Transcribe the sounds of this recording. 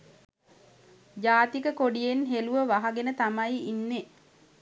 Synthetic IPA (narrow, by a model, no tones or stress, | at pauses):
d͡ʒaːt̪ikəkoɖijenɦeluʋəʋaɦaɡenət̪amajinːe